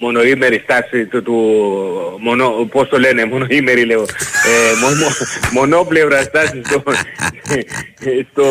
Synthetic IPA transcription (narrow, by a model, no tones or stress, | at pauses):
monoimeɾist̪asit̪ot̪u | monopost̪olenemonoimeɾileemomomonopleβɾast̪asist̪o | st̪o